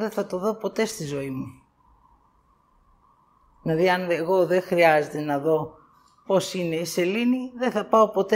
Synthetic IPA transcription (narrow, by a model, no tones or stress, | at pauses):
ðeθɐt̪o̞ðo̞po̞t̪e̞st̪izo̞imu | ilɐðiɐneɣo̞ðexɾiɐze̞t̪e̞nɐðo̞ | po̞sine̞ise̞liniðe̞θɐpɐopo̞t̪e